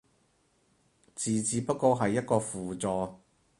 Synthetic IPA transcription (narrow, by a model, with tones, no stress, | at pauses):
t͡siː˨t͡siː˨˧pɐ˥t̚kːɔː˧ɦɐ˨jːɐ˥t̚kɔː˧fuː˨˩t͡sɔː˨